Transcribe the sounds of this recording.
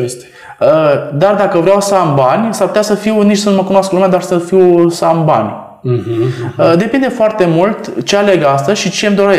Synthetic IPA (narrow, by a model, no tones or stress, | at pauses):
əd̪ard̪akəvɾeawsambanʲsarpu̥t̪ʲasəfiwnit͡ʃsənməkunoasklumead̪arsəfiwsamba̰nʲ | əd̪e̞pind̪e̞foart̪e̞mult̪t͡ʃeale̞ɡast̪əzʃit͡ʃe̞md̪o̞ɾe